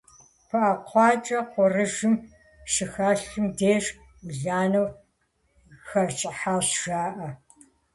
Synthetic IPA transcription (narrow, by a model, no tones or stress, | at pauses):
pʰɐʔɐqʷɑːt͡ʃʼɐqʷɔrɨʒɨm | ʃɨxaːɬɨmdeːʂ | mɨɮaːnɐw | xɐrt͡ʃʼɪħaːɕʒ̥aːʔɐ